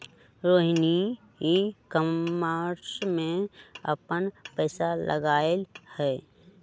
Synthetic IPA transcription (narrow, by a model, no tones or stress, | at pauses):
ɾoːɦni | ɦikəaːɾsmẽəpənpɛːsalʔə̰ɡaːelhɛː